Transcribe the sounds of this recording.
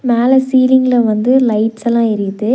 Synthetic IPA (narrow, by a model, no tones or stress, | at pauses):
meːlɐsiːlɪŋɡlɐʋɐnd̪ɯlɐɪʈsɛlːãːɪɾɯðɯ